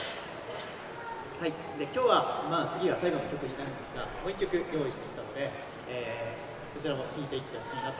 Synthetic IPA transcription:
hai | d̪e̞kʲo̞ːβamaːt͡sɨɡʲiɡasaiɡo̞no̞kʲo̞kɯ̟ɲ̟inaɾɯ̟̃nd̪esɨɡa̰mo̞ːikʲːo̞kɯ̟jo̞ːiɕi̥t̪e̞kʲi̥t̪anod̪e̞ | eː | so̞t͡ɕiɾamo̞çʲiːt̪e̞it̪ːe̞ho̞̥ɕiːnat̪ː

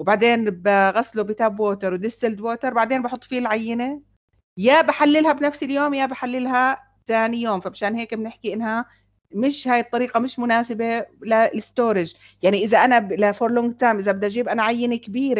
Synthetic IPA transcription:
wbaʕd̪eːnbaɣasːlubit̪aːbwoːt̪eɾˤwd̪ɪsːɪld̪woːt̪ɑɾˤbaʕd̪eːnbɑħʊt̪ˤːfiːlʕajːɪne | jaːbaħalːɪlhabnafsɪljoːmjaːbaħalːɪlɦa | t̪aːnijoːmfamaʃaːnheːkbɪnɪħkiʔɪnːha | mɪʃhaːjɨt̪ˤːɑɾiːqɑmɪʃmʊnaːsɪbelalɪst̪oːɾɪd͡ʒ | jaʕniʔɪzaʔanalafoɾlʊŋɡ̚t̪aːmʔɪzabɪd̪ʔad͡ʒiːbʔanaʕajːɪnekɪbiːɾe

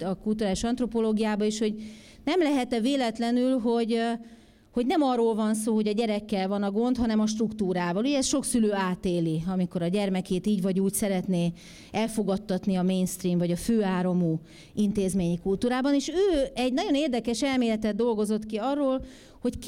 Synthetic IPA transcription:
ɒkult̪uɾaːliʃɒnt̪ro̞po̞loːɡijaːbɒeːʃho̞ɟ | nɛmlɛɦɛt̪ɛveːlɛt̪lɛnylɦo̞ɟ | ho̞ɟnɛmɒrːoːlvɒnsoːɦo̞ɟɒɟɛɾɛkːɛlvɒnɒɡo̞nt̪ɦɒnɛmɒʃ̬t̪rukt̪uːɾaːvɒluɟɛɛsʃo̞ksyløːaːt̪eːliɒmiko̞ɾɒɟɛrmɛkeːt̪iːɟvɒɟuːcsɛɾɛt̪neː | ɛlfo̞ɡɒt̪ːɒt̪niɒmeːnst̪riːmvɒɟɒføːaːɾomu | int̪eːzmeːɲikult̪uːɾaːbɒneːʃøːɛɟnɒɟo̞neːrd̪ɛkɛʃɛlmeːlɛt̪ɛd̪̚ːo̞lɡo̞zo̞t̪kiɒrːoːl | ho̞ck

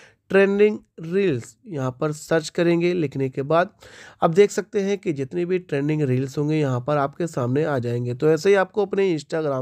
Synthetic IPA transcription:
ʈɾẽːnɖɪ̃ŋɡɾiːlsjɐɦãpɐɾsɐɾt͡ʃkɐɾẽːŋɡelɪkʰnekebaːd̪̚ɐb̚d̪eːkʰsɐk̚t̪eɦɛ̃kid͡ʒɪt̪nebʱiʈɾẽːɳɖɪ̃ŋɡɾiːlzɦõːŋɡejɐɦãpɐɾaːp̚kesaːmneaːd͡ʒaːẽːŋɡet̪oɛːs̬eɦiaːp̚koɐpneɪ̃nsʈaːɡɾaː

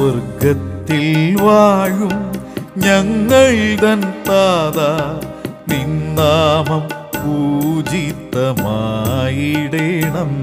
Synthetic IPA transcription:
ɐɾɡɐt̪ːilʋaːɻumɲɐŋːɐɭd̪ɐnt̪aːða | nind̪aːmɐm | puːd͡ʒit̪ːɐmajiɽeɳɐm

